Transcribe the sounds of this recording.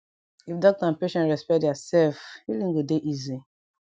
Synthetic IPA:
ifdɔk̚tãnpeʃɛ̃ntɹɛspɛdjasɛlfwilĩŋɡodeʔizi

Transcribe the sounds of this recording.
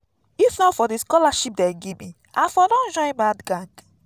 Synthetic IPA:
ifnɔfɔdiskɔlaʃip̚dɛɡebĩ | afɔdɔ̃nd͡ʒɔ̃j̃nbadɡãɡ

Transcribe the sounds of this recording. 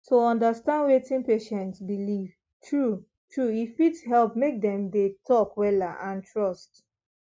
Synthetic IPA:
toɔ̃ndastãndwetĩnpeʃɛ̃ntsbiliv̥ | tʰɹu | tʰɹuifitsɦɛlpmek̚dɛ̃mdetʰɔkwɛlaʔãntʰɹɔst

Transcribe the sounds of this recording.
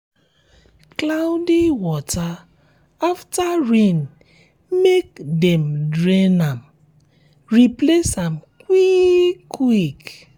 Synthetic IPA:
klawdiwɔta | aftaɹĩn | mekdɛmdɹenam | ɹiplesãmkwikwik

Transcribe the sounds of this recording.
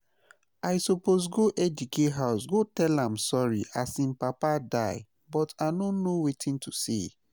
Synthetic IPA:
aɪsɔpos̬ɡoʔɛd͡ʒukʰeɦaʊsɡotɛlãmsɔɹḭasĩnpapadaɪ | bɔtanonowetʰĩntusḛ

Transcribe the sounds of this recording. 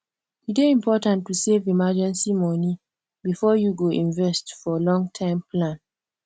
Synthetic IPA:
iteĩmpʰɔtãntːusevimad͡ʒɛ̃nsimɔni | bifɔjuɡoʔĩnvɛstfɔlɔ̃ŋtʰãɪ̃mplãn

